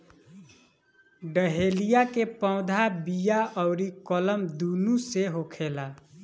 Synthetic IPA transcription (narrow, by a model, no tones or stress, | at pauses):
ɖəɦelijakepɔ̃ʊ̃d̪ʱabijaʔɔʊɾikɔləmd̪unuseɦokʰela